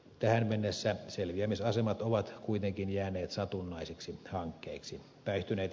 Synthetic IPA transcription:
t̪æhænmenːesːæselʋiæmisɑsemɑt̪oʋɑt̪kuit̪eŋkinjæːneːt̪sɑt̪unːɑiseksihɑŋkːeːksi | pæˑist̪yneːt̪

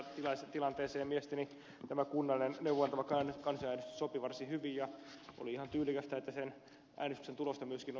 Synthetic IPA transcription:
t̪ilɑst̪ilɑnt̪eːseːmiest̪æni | t̪æmækunːɑlinenneuwʋːɑnt̪ɑʋɑkːɑæːnekɑnsɑæːnest̪ysopiʋɑrsihyʋijjɑʔo̰liihɑnt̪yːlˑikæst̪æet̪ːæsen | ʔæ̰ːnest̪y̥ksent̪ulost̪ɑmyøskin

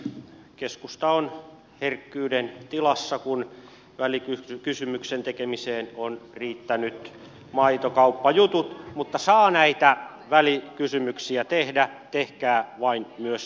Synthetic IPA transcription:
keskust̪ɑon | herkːyːdent̪ilɑsːɑkun | ʋælikykysymyksent̪ekemiseːnonriːt̪ːænyt̪ | mɑit̪okɑupːɑjut̪ut̪mut̪ːɑsɑːnæit̪æ | ʋælikysymyksiæt̪ehdæt̪ehkæːʋɑinmyøs

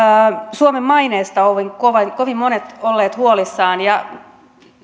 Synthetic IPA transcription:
suomemːɑineːst̪ɑoʋiŋkoʋɑŋkoʋimːmonet̪olːeːt̪huolisːɑːnjɑ

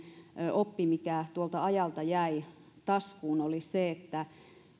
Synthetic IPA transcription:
opːimikæt̪uolt̪ɑɑjɑlt̪ɑjæi | t̪ɑskuːnoliseet̪ːæ

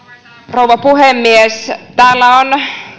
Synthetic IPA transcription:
rouʋɑpuhemːiest̪æːlːæon

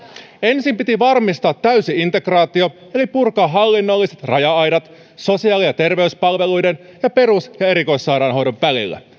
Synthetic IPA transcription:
e̞nsimpit̪iʋɑrmist̪ɑːt̪ːæyɥsiint̪e̞krɑːt̪io̞ | e̞lipurkɑːɦɑlːinːo̞lːise̞t̪rɑjɑɑjdɑt̪ | so̞siɑːlijɑt̪e̞rʋe̞yspɑlʋe̞lujden | jɑpe̞ɾusjɑe̞ɾiko̞jsːɑːɾɑnɦo̞jdo̞ʋʋælḭlːæ̰

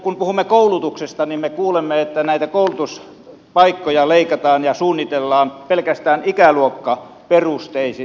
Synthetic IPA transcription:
kumpuhumːekoˑulut̪uksest̪ɑnimmekuːlemːeet̪ːænæˑit̪ækoˑulut̪us | pɑikːojɑleikɑt̪ɑːnjɑsuːnːit̪elːɑːnpelkæst̪æːnikæluokːɑ | perust̪eˑisi

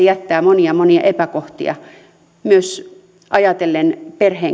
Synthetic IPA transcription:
jæt̪ːæːmoniɑmoniɑ̰ʔepækoht̪ḭɑ̰ | myøs | ʔɑjɑt̪elːenperheː

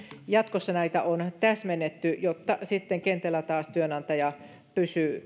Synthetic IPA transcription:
jɑt̪kosːɑnæit̪æʔont̪æsmenːet̪ːyjot̪ːɑsit̪ːeŋkent̪ælæt̪ɑːst̪yønɑnt̪ɑjɑ | pysyː

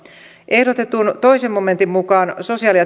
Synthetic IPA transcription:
ʔehdot̪et̪ˑunt̪oisemoment̪immukɑːnsosiɑːˑliɑ

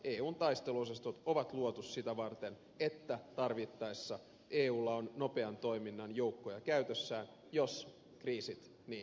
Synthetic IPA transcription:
ʔeːuːnt̪ɑjst̪e̞lusest̪ot̪oʋɑt̪luot̪ussit̪æʋɑrt̪en | et̪ːæt̪ɑrʋit̪ːɑjsːɑ | ʔeːuːlːɑonːo̞pe̞ɑnt̪o̞iminːɑnjo̞ukːojɑkæyt̪øsːæːn | jo̞s | kriːsit̪ | niː

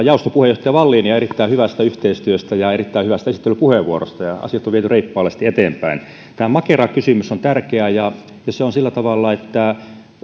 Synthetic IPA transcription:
jɑˑust̪opuhejoht̪ɑjɑʋɑlːiːniɑerit̪ːæihyʋæst̪æyht̪eist̪yøst̪æjɑerit̪ːæihyʋæst̪æesi̥t̪ːelypuheʋʋuoro̰st̪ɑjɑɑ̰sijɑt̪ːoʋiet̪yreipːɑːlest̪iet̪eːmpæin | t̪æːmɑkerɑkːysymysont̪ærkeæjɑ | jɑseonsilːæt̪ɑʋɑlːɑet̪ːæ

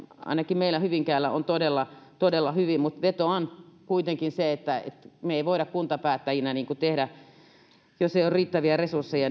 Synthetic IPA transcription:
ɑ̰inɑkimmeilæhyʋiŋkæːlːæʔo̰nt̪odelːɑt̪odelːɑhyʋimut̪ʋet̪oɑnkuit̪eŋkinseet̪ːæḛt̪meeiʋoiɾɑkkunt̪ɑpæːt̪ːæjinæniːŋkut̪ehdæ | joseijorriːt̪ːæʋiæresursːejɑ

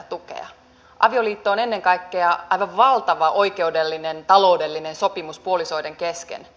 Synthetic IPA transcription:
t̪ukḛɑ̰ | ʔɑ̰ʋioliːt̪ːoːne̞nːeŋkɑikːeɑɑjʋɑʋʋɑlt̪ɑʋɑʔoike̞udelːinent̪ɑlo̞udelːinensopimuspuoliso̞ideŋkeskḛn

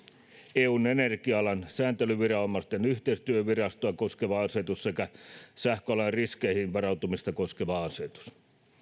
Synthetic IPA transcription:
eːuːnenerkiɑɑlɑnsæːnt̪elyʋirɑomːɑst̪enyht̪eist̪yøʋirɑst̪oɑkoskeʋɑɑse̞t̪ussekæsæhkøɑlɑrriskejhinʋɑrɑut̪umist̪ɑko̞skeʋɑɑse̞t̪u̥s

